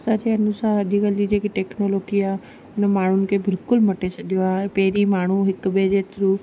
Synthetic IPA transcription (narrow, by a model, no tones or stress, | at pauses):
sat͡ʃʰeənusaːɾəd̪ikəlid͡ʒekiʈeknoloɡija | nemaːɳ̤̃unkebɪlkʊlməʈet͡ʃʰəɗjoapeːɾimaːɳ̤̃ũɦɪkbed͡ʒet̪ɾu